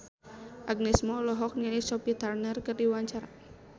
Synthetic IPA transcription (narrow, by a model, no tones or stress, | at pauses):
ʔaɡ̚nismɔlɔɦɔk̚ɲɛnisɔpit̪arnərkərdiwaɲt͡ʃaɾa